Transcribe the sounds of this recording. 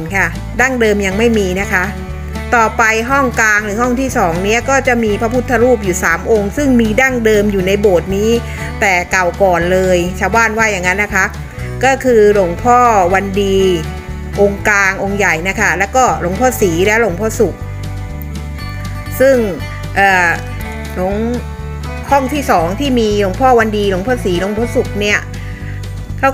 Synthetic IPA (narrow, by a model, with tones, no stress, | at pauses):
kʰa˥˩ | daː˥˩ŋdɤː˧mja˧ŋma˥˩jmiː˧na˦˥kʰa˦˥ʔ | t̪ɔː˨˩pa˧jɦɔ˥˩ŋklaː˧ŋɾɯː˩˦ɦɔ˥˩ŋt̪ʰiː˥˩sɔː˩˦ŋni˦˥ɐkɔː˥˩t͡ɕa˨˩ʔmiː˧pʰa˦˥pʰu˦˥t̪ʰːa˧ɾuː˥˩p̬̚juː˨˩saː˩˦mʔo˧ŋsɯ˥˩ŋmiː˧da˥˩ŋdɤː˧mjuː˨˩na˧jboː˨˩t̪̚niː˦˥ | t̪ɛː˨˩ka˨˩wkɔː˨˩nlɤː˧jt͡ɕʰaː˧˩wbaː˥˩nwaː˥˩ja˨˩ŋːa˦˥nːa˦˥kʰa˦˥ʔ | kɔː˥˩kʰɯː˧lo˨˧˩ŋpʰɔː˥˩wa˧ndiː˧ | ʔo˧ŋklaː˧ŋʔo˧ŋja˨˩jna˦˥kʰa˥˩lɛː˦˥wkɔː˥˩lo˨˩˦ŋpʰɔː˥˩siː˩˦lɛ˦˥wlo˧˩˦ŋpʰɔː˥˩su˨˩k̚ | sɯ˥˩ŋ | ʔɤː˨˩ | lo˩˦ŋ | kʰɔ˥˩ŋt̪ʰiː˥˩sɔː˩˦ŋt̪ʰiː˥˩miː˧lo˧˩˦ŋpʰɔː˥˩wa˧ndiː˧lo˨˩˦ŋpʰɔː˥˩siː˩˦lo˧˩˦ŋpʰɔː˥˩su˨˩k̚ni˥˩ɐ | kʰa˦˥